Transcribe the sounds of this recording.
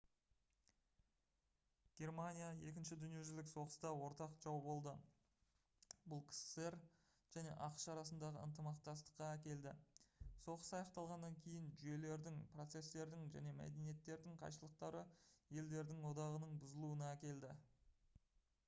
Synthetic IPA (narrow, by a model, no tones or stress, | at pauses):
ɡ̥ʲe̞rmanʲijaje̞kʲɪnʃɪd̪ʏnijeʒɪlɪkso̞ʁəst̪ɑwo̞ɾt̪ɑqʒ̥ɑwbo̞lˠd̪ə | bʊlˠkʲʰsseɾ | ʒ̥æne̞̰ʔɑqə̥ʃɑɾɑsənd̪ɑʁəə̰nt̪əmɑq̚t̪ɑst̪ə̥qːɑækʲe̞ld̪ɪso̞ʁəsɑjɑqt̪ɑlˠʁɑnːɑŋkʲʰe̞jɪnʒʏje̞le̞ɾd̪ɪŋpro̞t̪se̞st̪e̞ɾd̪ɪŋʒæ̰ne̞mæ̰d̪e̞nije̞t̪ːe̞ɾd̪ɪŋqʰɑ̰jʃəlˠəq̚t̪ɑɾəje̞ld̪e̞ɾd̪ɪŋwo̞d̪ɑʁənəɴbʊzəlˠuənɑækʲe̞ld̪ɪ